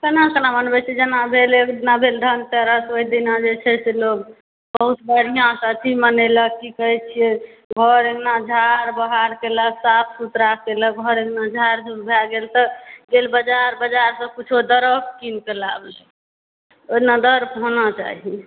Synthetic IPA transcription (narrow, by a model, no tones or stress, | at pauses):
kənãkənamənbɛt͡ʃʰɛd͡ʒenabʱelekd̪inabʱeld̪ʱənt̪ɛɾəsoid̪inãd͡ʒet͡ʃʰɛseloɡ | bəəɦut̪bəɾ̤ijãst̪imənɛləkkikəɦɛt͡ʃʰijɛ | ɡʱəɾeknad͡ʒʱaɾbəɦaɾkeləksapʰsut̪ɾakkːelək̚ɡʱəɾeknad͡ʒʱaɾd͡ʒubʱɛlɡelt̪əɡelbəd͡ʒaɾbəd͡ʒaɾsə̃kut͡ʃʰod̪əɾəb̚kinkelablɛ | onad̪əɾpɦonat͡ʃa̰ɦi